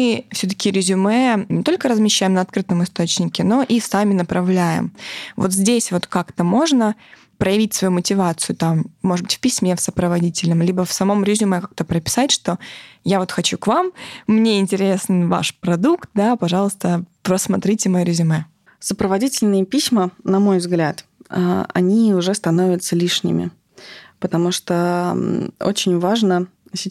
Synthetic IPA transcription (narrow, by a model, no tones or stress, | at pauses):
ɨfsʲɵt̪ə̥kʲɪɾʲɪzʲʊmɛnʲɪt̪o̞lʲkəɾəzmʲɪɕːæjɪmnəɐt̪kɾɨt̪əmɨst̪o̞t͡ɕnʲɪkʲɪno̞ʔisamʲɪnəpɾɐvlʲæjɪ̰mvot̪zʲdʲesʲvo̞t̪kakt̪əmo̞ʐnə | pɾəjɪvʲitʲsvɐjumətʲɪvat̪sɨjʊt̪amːo̞ʐɨdbɨtʲfpʲɪsʲmʲe̞fsəpɾəvɐdʲitʲɪlʲnəmlʲibəfsɐmo̞mɾʲɪzʲʊmɛkak̚t̪əpɾəpʲɪ̥satʲʂt̪o̞javo̞t̪xɐt͡ɕukvamːnʲe̞ɪnʲtʲɪɾʲe̞snva̰ʂpɾɐd̪ukt̪̚d̪apɐʐɑlˠəst̪əpɾəsmɐt̪ɾʲitʲɪmɐjɾʲɪzʲʊmɛ | səpɾəvɐdʲitʲɪlʲnɨjəpʲisʲmənɐmo̞jvzɡlʲat̪a̰ɐ̰nʲiʊʐɛst̪ɐno̞vʲɪt̪səlʲiʂnʲɪ̰mʲɪ̰ | pət̪ɐmuʂt̪o | ot͡ɕɪnʲvaʐnəsʲɪ